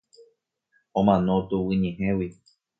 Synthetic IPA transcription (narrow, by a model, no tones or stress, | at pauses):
õmãnõt̪uwɨɲẽhẽwi